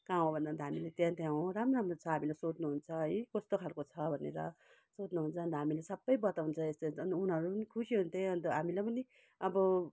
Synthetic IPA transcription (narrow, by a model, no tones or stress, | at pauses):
kaõbʱʌnd̪ant̪aɦamilet̪jãnt̪jãɦõɾamramrot͡sʰʌɦamilajsot͡snuɦunt͡sʰʌʌjkʌst̪okʰalkot͡sʰʌbʱʌnḛɾʌ | sot͡snuɦunt͡sʰʌʌnt̪ʌɦamilesʌbːʌjbʌt̪awunt͡sʰʌest̪oʌnunɦʌɾupʌnikʰusiɦunt̪ʰeʌnt̪ʌɦamilajpʌni | ʌbʌ